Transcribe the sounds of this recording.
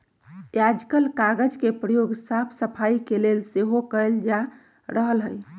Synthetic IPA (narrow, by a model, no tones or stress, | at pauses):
jad͡ʒkəlkaɡəd͡ʒkepɾəjoɡsapʰsəpʰaikelelseɦokəld͡ʒa | ɾəɦəlɦəj